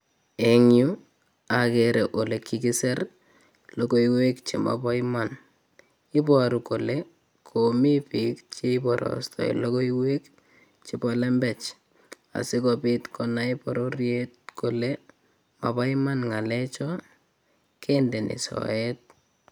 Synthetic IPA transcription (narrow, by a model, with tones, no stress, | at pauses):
e˨ŋju˦ | a˨keɾeʔo˨le˨kʰːi˨ki˦sɛ˦r | loko˦iwe˦kt͡ʃe˨ma̰pa˦iman | i˦pɔɾu˨ko˨le | kʰomi˦pi˨kt͡ʃe˦i˦pɔ˨ɾʔɔ̰stʰɔ̰˨ḭ˨lo˦ko˦iwe˦k | t͡ʃi˨pɔlɛ˦mbɛ˨t͡ʃ | a̰˨si˦kɔpi˦tkɔnai˦pɔ˨ɾo˦rjet̚ko˨le˦ | ma˨pa˦i˦ma˦nŋa˨le˦t͡ʃɔ | kʰende˨nḭ˨sɔ̰˨et̚